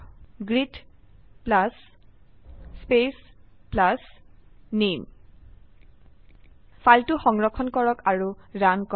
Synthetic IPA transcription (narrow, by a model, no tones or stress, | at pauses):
ɡɹitplas | pesplas | nem | fʰaltʊxɔŋɹɔkʰɔnkɔɹɔkaɹuɹankɔ